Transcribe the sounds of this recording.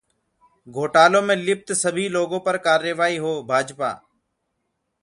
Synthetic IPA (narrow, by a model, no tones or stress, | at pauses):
ɡʱoːʈaːlõːmẽːlɪp̚t̪səbʱiːloːɡõːpəɾkaːɾjəːʋaːiːɦoːbʱaːd͡ʒpa̰ː